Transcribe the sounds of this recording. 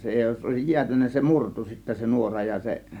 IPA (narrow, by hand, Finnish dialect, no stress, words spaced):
se jos oˑe̝sij jiætynːæ se murtu sitːæ se nuorɑ jɑ jɑ se